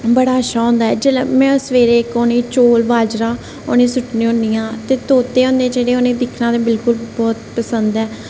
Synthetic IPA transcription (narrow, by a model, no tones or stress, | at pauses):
bəɽaːəʃaːɦõːnd̪aːɛːd͡ʒeːmɛ̃ːəsʋeːɾeːkoːnĩːt͡ʃoːlʋaːd͡ʒɾaː | o̰ːnĩːsʊʈnĩːõniːjãːt̪eːt̪oːt̪eːɦõːnd̪eːd͡ʒeːɽeːoːnẽːd̪ɪkʰnãːd̪ẽːbɪlkʊlbɔːt̪pəsənd̪ɛː